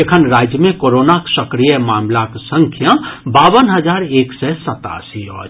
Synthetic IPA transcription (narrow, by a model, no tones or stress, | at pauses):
ekʰənɾaːd͡ʒjəmẽkoːɾoːnaksəkɾijəmaːmlaksə̃ŋkʰjãbaːwənɦəzaːɾeːksɛsɐt̪a̰ːsiɔ̰ː